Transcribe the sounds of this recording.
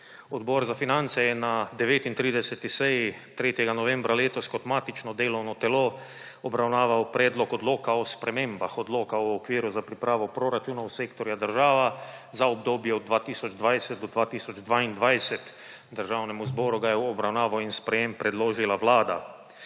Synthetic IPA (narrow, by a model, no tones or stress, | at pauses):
ɔd̪bɔɾzafinant̪sɛjɛnad̪ɛʋeːt̪int̪ɾiːd̪ɛsɛt̪isɛji | t̪ɾeːt̪jɛɡanɔʋɛ̃mbɾaleːt̪ɔskɔt̪maːt̪it͡ʃnɔd̪eːlownɔt̪ɛlo | ɔbɾawnaːʋawpɾɛːd̪lɔkɔd̪loːkaɔspɾɛmẽmbaxɔd̪loːkaɔːkʋiːɾuzapɾipɾaːʋɔpɾoɾat͡ʃuːnawseːkt̪ɔɾjad̪əɾʒaːʋa | zaɔb̚d̪oːbjɛɔd̪d̪ʋaːt̪iːsɔd͡ʒd̪ʋajsɛt̪̚d̪ɔd̪ʋaːt̪iːsɔd͡ʒd̪ʋaind̪ʋajsɛt̪ | d̪əɾʒaːwnɛmuzbɔːɾuɡajɛɔbɾawnaːʋawinspɾɛjempɾɛd̪loːʒilaʋlaːd̪a̰